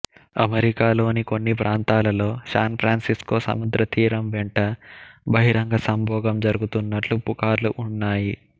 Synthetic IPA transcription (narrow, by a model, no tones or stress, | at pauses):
ɐmeɾikaːlo̞ːniko̞nːipɾʔaːnt̪aːlɐlo̞ːsaːnpʰɾaːnsisko̞ːsɐ̰mud̪ɾɐt̪iːɾɐmʋɛɳʈɐbɐɦiɾɐŋɡɐsɐmbʱɔːɡɐmd͡ʒɐɾuɡut̪unːɐʈlupukaːɾluʔunːaːji